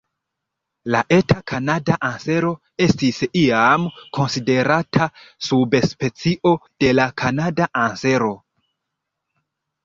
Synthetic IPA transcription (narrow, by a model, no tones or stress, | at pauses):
laʔe̞tʰakʰanadaʔanse̞ɾo̞ | e̞stisiamkʰo̞nside̞ɾatʰasubespe̞t͡siʔo̞d̥e̞lakʰanadaʔanse̞ɾo̞